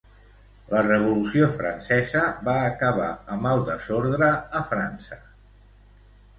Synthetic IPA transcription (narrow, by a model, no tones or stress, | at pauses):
lərəβ̞ulusiofɾə̰nsɛzəβaːkəβ̞a̰əməlˠd̪əzoɾðɾəːfɾansə